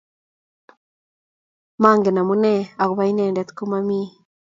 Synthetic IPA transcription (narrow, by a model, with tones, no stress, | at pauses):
ma˦ŋɡe˨na˨mu˦ne˦a˨ɣu˨βa˨˦i˦nɛ˦˨ndɛ˨˦t̪ku˦ma˦mi˦